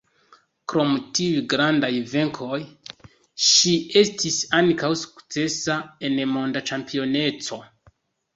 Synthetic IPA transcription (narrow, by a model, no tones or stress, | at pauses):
kɾo̞mutiujɡɾandajve̞ŋkʰo̞j | ʃie̞stisankawsu̥kt͡se̞sae̞nmo̞ndat͡ʃampio̞ne̞t͡so̞